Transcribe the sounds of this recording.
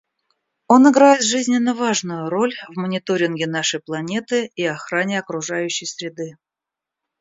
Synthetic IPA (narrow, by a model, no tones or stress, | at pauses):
o̞nɪɡɾajɪt̪ʐɨzʲnʲɪnːəvaʐnʊjʊɾo̞lʲvmənʲɪt̪o̞ɾʲɪnɡʲɪnaʂəjplˠɐnʲe̞t̪ɨiɐxɾanʲɪɐkɾʊʐajʉɕːɪjsɾʲɪd̪ɨ